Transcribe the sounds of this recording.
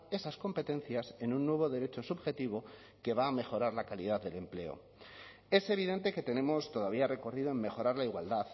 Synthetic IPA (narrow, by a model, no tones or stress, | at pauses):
e̞sasko̞mpe̞t̪e̞n̟θjase̞nunːwe̞β̞o̞ðe̞ɾe̞t͡ʃo̞subxe̞t̪iβo̞ | ke̞βaːme̞xo̞ɾaɾlakalið̞aððe̞le̞mple̞̰o̞̰ | e̞se̞β̞iðe̞nt̪e̞ke̞t̪e̞nẽ̞mo̞st̪o̞ðaβ̞iare̞ko̞riðo̞e̞mːe̞xo̞ɾaɾlaiɣwald̪að